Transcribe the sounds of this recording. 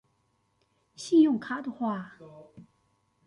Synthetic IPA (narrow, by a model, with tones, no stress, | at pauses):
ɕi˥˨jɔ˥˨ŋkʰa˩˥ʔt̪u˨xwa˥˨